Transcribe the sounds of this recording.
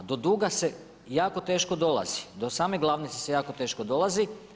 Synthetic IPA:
d̪o̞d̪uːɡase̞ | jaːko̞t̪e̞ːʃko̞d̪o̞lˠa̰zi̥d̪osaːmeɡlˠaʋnit̪sese̞jaːko̞t̪e̞ːʃkod̪o̞lazi

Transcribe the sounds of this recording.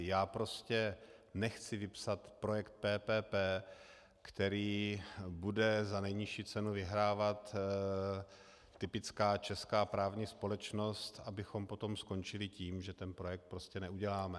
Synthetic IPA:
jaːpɾo̞scɛnɛxt͡sɪvɪpsat̪pɾo̞jɛkt̪̚pɛːpɛːpɛː | kt̪ɛɾiːbudɛzanɛjɲɪʃiːt͡sɛnuvɪɦɾaːvat̪ | ɪpɪt͡skaːt͡ʃɛskaːpɾaːvɲiːspo̞lɛt͡ʃno̞st̪abɪxo̞mpo̞t̪o̞msko̞nt͡ʃɪlɪciːmʒɛt̪ɛnpɾo̞jɛk̚t̪̚pɾoscɛnɛuɟɛlaːmɛ

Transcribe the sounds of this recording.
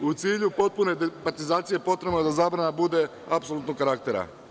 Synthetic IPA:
ut̪siːʎupo̞t̪̚pune̞d̪epat̪izaːt̪sije̞po̞t̪ɾe̞bnod̪azaːbɾanabud̪e̞ | apsolut̪nokaɾak̚t̪e̞ɾa̰

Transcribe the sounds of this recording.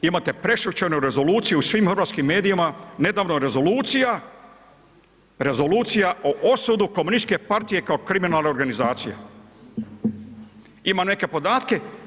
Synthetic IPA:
imat̪e̞pɾe̞ʃut͡ʃenuɾe̞zo̞luːt̪sijeusʋiːmxrɾʋaːt̪skimːe̞ːd̪ijimane̞d̪aːʋno̞ɾe̞zo̞luːt̪sija | ɾe̞zo̞luːt̪sijaʔoʔosud̪uko̞munist̪ke̞paɾt̪ije̞kaokɾiminalˠnao̞ɾɡanizaːt̪sija̰ | imane̞ke̞po̞d̪aːt̪ke̞

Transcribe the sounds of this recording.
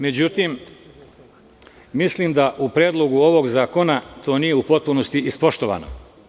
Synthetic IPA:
me̞d͡ʑut̪im | mislimd̪aʔupɾeːd̪lˠo̞ɡuo̞ʋo̞ɡzaːko̞nat̪o̞ːnije̞upo̞t̪̚punost̪iʔispo̞ʃt̪o̞ʋa̰ːno̰

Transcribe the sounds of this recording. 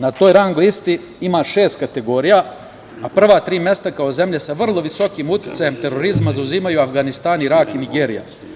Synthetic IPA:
nat̪o̞ːjɾaŋɡist̪i | imaːʃe̞ːst̪̚kat̪e̞ɡo̞ɾijaː | pr̩ʋat̪ɾiːmje̞st̪akao̞ze̞mʎesaʋr̩lˠo̞ʋiso̞kiːmut̪i̥t̪sajemt̪e̞ɾo̞ɾizmazauziːmajuafɡanist̪aːniɾakiniɡe̞ːɾija̰

